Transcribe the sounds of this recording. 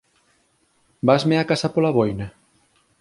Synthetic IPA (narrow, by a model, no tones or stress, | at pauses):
bazmeakasɐpolaβojna